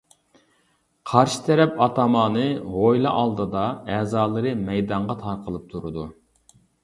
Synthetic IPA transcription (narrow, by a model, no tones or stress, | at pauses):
qʰɑɾʃi̥t̪ʰɛɾɛpɑt̪ʰɑmɑːnɨʁojlˠɑʔɑlˠd̪ɨd̪ɑɛːzɑːlˠɨɾɨmɛjd̪ɑɴʁɑt̪ʰɑɾqəlˠɨp̚t̪ʰuɾɨd̪u